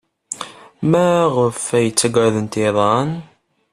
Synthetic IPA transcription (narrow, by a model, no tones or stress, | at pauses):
mæʁəfæjət͡sːæɡəɾðənt̪iðˤɑn